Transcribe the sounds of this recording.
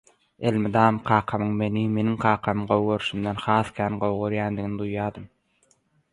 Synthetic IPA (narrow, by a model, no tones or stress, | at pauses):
elʲmid̪ɑːmqʰɑːqʰɑmɯɴme̞nime̞niŋqʰɑːqʰɑmɯɴɢowɣøɾʃumd̪enχɑːθkʲʰæːnqowʁoɾjæːnd̪iɣnid̪ujːɑːd̪ɯm